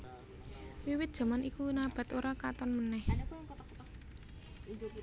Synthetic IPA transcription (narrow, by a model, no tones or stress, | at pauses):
wiwɪt̪̚dʒ̥ä̤manikunab̥a̤t̪oɾakat̪ɔnmənɛh